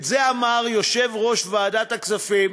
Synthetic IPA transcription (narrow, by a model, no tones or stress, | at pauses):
zeamaʁjo̞ʃevʁo̞ʃvaːdat̪aksafim